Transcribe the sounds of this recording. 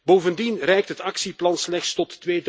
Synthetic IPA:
boːvəndinrɛjk̚tɦətɑksiplɑnslɛxtstɔtːʋeːd

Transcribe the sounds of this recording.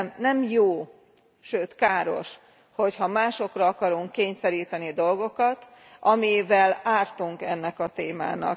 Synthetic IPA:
nɛmjoː | ʃøːt̪kaːɾo̞̰ʃ | ho̞chɒmaːʃo̞krɒɒkɒɾuŋkːeːɲsɛɾiːt̪ɛnid̪o̞lɡo̞kɒt̪ | ʔɒmivɛlaːrt̪uŋkɛnːɛkɒt̪eːma̰ːnɒ̰k

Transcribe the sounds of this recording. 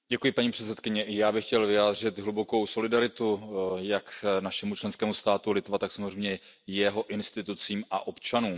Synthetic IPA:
ɟɛkujɪpaɲiːpr̥ɛt̪sɛt̪̚kɪɲɛʔɪjaːbɪxcɛlvɪjaːd̪r̝ɪt̪ɦlubo̞ko̞wso̞lɪdaɾɪt̪ujaknaʃɛmut͡ʃlɛnskɛːmust̪aːt̪ulɪt̪vat̪aksamozrɛjmɲɛ | jɛɦo̞ʔɪnst̪ɪt̪ut͡siːmaʔo̞pt͡ʃanuːm

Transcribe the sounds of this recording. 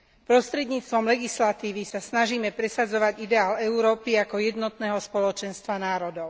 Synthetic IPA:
pɾɔst̪ɾɛd̪ɲiːt͡st̪ʋɔmlɛɡislat̪iːʋisasnaʒiːmɛpɾɛsad͡zɔʋaɟid̪ɛaːlɛuɾɔːpiakɔjɛd̪nɔt̪nɛːɦɔspɔlɔt͡ʃɛnst̪ʋanaːɾɔd̪ɔʊ

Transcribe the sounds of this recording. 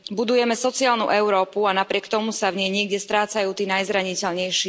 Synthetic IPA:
bud̪ujɛmɛsɔt͡siaːlnṵʔɛʊɾɔːpuanapɾɪɛkt̪ɔmusavɲɛjɲɪɛɡɟɛst̪ɾaːt͡sajuːt̪iːnajzɾaɲicɛʎɲɛjʃi

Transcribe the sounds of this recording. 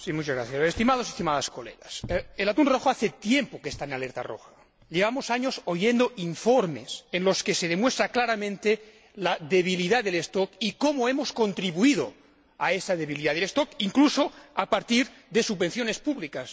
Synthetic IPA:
simut͡ʃazɣɾaθjasest̪imaðo̞s̬est̪imaðaskolḛðaselat̪unro̞xoaθet̪je̞mpokest̪aenaleɾt̪a̰ro̰xḁ | ʎeβamosaɲo̞soje̞nd̪oiɱfoɾme̞̰senlo̞ske̞seðe̞mwe̞st̪ɾaklaɾamẽnt̪e | laðe̞β̞iliðaðelest̪okikomoe̞mo̞sko̞nt̪ɾiβuiðo̰ | aesaðe̞βiliðaðelest̪okiŋkluso̞apaɾt̪iɾ | ðe̞suββenθjone̞spuβlikas

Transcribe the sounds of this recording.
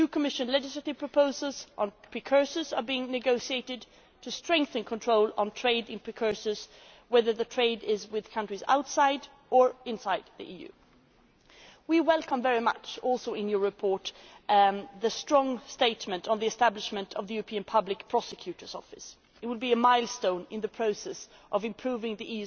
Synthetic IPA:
tʉkʰəmɪʃɨ̃nlɛd͡ʒɨsləɾɨv̥pʰɹ̥əpʰoʊzəl̩ˠzʔn̩pʰɹ̥ɨkʰɜ˞səzə˞biɪ̃ŋnɨɡoʊʃieɪɾɪd | tʰɨstɹ̥ɛ̃ŋk̚θɨ̃nkʰə̃ntʰɹ̥oʊlˠə̃n̩tʰɹ̥eɪɾɨ̃npʰɹ̥ɨkʰɜ˞səz̥ | wɛðə˞ðɨtʰɹ̥eɪdɪzwɪð̥kʰʌ̃ntɹ̥iza̰ʊtsaɪɾ | ə˞ɪ̃nsaɪd̪̚ðḭʔijʉ̰ | wiwɛlˠkə̃ɱvɛɹimʌ̰t͡ʃɔlˠsoʊɪ̃njə˞ɹɨpʰɔɹt | ðɨstɹ̥ɔ̃ŋsteɪtmɨ̃ntn̩ðiɨstæblɨʃmɨ̃ntʰʌvðəjʉɹəpʰĩɨ̃npʰʌblɨkpʰɹ̥ɑsɨkʰj̥ʉɾə˞z̥ɔfɨs | ɨt̚wəlˠbiɨmaɪlˠstõʊ̃nɨ̃nðɨpʰɹ̥oʊsɛsʔʌvɨ̃mpʰɹ̥ʉvɪ̃ŋðiʔijʉ

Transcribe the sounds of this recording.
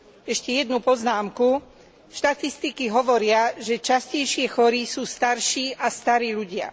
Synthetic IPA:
ɛʃcɛjɛd̪nupɔznaːmku | ʃt̪at̪ist̪ikiɦɔʋɔɾɪaʒɛt͡ʃascɛjʃɪɛxɔɾisuːst̪aɾʃiːʔast̪aɾiːʎuɟɪa̰

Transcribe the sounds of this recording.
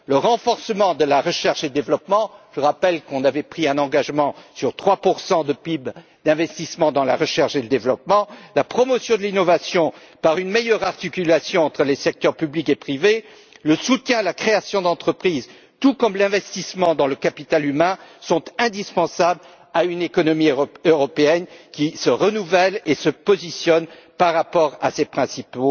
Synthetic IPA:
ləʁɑ̃fɔʁsəmɑ̃d̪əlaʁəʃɛʁʃeəd̪evlɔpmɑ̃ʒ̥əʁapɛlkɔ̃navɛpχiɛ̃nɑ̃ɡaʒmɑ̃syʁt̪χwapuʁsɑ̃d̪əpib | d̪ɛ̃vɛst̪ismɑ̃d̪ɑ̃laʁəʃɛʁʃeləd̪evlɔpmɑ̃lapχɔmɔsjɔ̃d̪əlinɔvasjɔ̃ | paʁynmejœʁaʁt̪ikʲylasjɔ̃ɑ̃t̪χəlesɛk̚t̪œʁpyblikepχive | ləsut̪jɛ̃lakχeasjɔ̃d̪ɑ̃t̪χəpχiz | t̪ukɔmlɛ̃vɛst̪ismɑ̃d̪ɑ̃ləkapit̪alymɛ̃sɔ̃t̪ɛ̃d̪ispɑ̃sabl | aynekɔnɔmiøʁɔpeɛnkʲisəʁənuvɛlesəpɔzisjɔnpaʁːapɔʁa̰sepχɛ̃sipo

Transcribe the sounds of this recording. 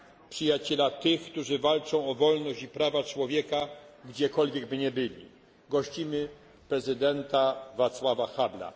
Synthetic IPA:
pʂɘjat͡ɕɛlat̪ɘxkt̪uʐɘvalt͡ʂɔ̃w̃ɔvɔlnɔɕd͡ʑipɾavat͡ʂwɔvʲjɛkaɡd͡ʑɛkɔlvʲjɛɡbɘɲɛbɘlʲḭ | ɡɔɕt͡ɕimɘ | pɾɛzɘd̪ɛnt̪avat̪swavaxabla̰

